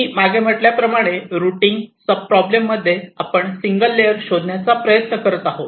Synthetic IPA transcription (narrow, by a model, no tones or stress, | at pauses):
imaɡʱem̤əʈljapɾəmaɽ̃eɾuʈiːŋɡsəb̚pɾɔblemːəd̪ʱːjeapəɳsiŋɡəlːeəɾɕod̪ʱnjat͡sapɾəjət̪nəkəɾət̪aɦot̪